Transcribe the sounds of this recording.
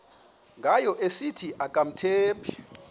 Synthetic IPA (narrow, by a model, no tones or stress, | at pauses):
ŋɡʱajɔʔesitʰiʔakʼam̩tʰeːmbʰʱi